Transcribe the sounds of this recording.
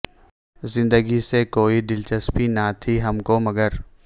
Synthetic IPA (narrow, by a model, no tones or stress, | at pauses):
zɪ̃nd̪əɡisekoːiɖ̪ɪlt͡ʃəspinat̪ʰiɦɐmkomɐɡəɾ